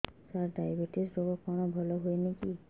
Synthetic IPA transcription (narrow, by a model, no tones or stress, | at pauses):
saɹdajbeʈiszɔbɔkɔɹnɔbʱɔlɔɦojneki